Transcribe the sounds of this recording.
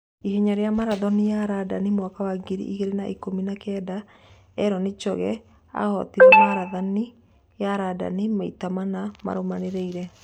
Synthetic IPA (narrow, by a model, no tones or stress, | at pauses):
iheɲaɾeamaɾaðɔnijaɾadanimwakawaɡiɾḭʔiɣeɾenaʔikominakɛːda | ɛɾɔnet͡ʃɔɣɛ | a̰hɔ̰tiɾɛmaɾaðani | jaɾada̰nimaitamanama̰ɾomaneɾeiɾɛ